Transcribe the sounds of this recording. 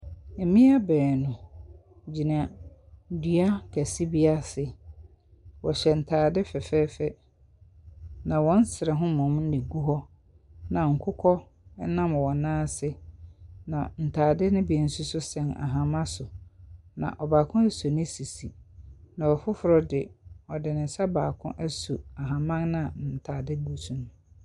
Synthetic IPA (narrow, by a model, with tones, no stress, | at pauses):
e˨mĩ˦a˦bɛː˨nʊ̃˨ | d͡ʑi˨nã˨ | dɥa˦kʰæ˨si˦bi˦a˦sɪ˨ | wɔ˨ɕɛ˨n̩˨tʰaː˨dɪ˦fɛ˨fɛ˦fɛ˦ | nã˨wɔ̃˦n˦sɪ˨ɾɛ˨ɦʊ̃˦mɔ̃˨mn̩˦nɪ̃˨ɡu˦ɦɔ˦ | nã˨ŋ̩˨kʰʊ˦kʰɔ˦ | ɛ˦nã˦m˨wɔ̃˨nãː˦sɪ˦ | nã̰˨n̩˨tʰaː˨dɪ˦nɪ̃˦bi˨ɛ˨n̩˦su˦sʊ˦sɛ̃˨na̰˨ɦã˨mã˦sʊ˨nã̰˨ʔɔ˨baː˨kʰʊ̃˦æ˦su˨nɪ̃˦si˨si˨nã˨ɔ˨fʊ˦fʊ˨ɾɔ˦dɪ˨ɔ˨dɪ˨nɪ̃˨sa˦baː˨kʰʊ̰̃˦ʔæ˦su˨a˨ɦã˨mã˦ŋnɪ̃˦a˨n̩˨tʰaː˨dɪ˦ɡu˦sũ˦nʊ̃˦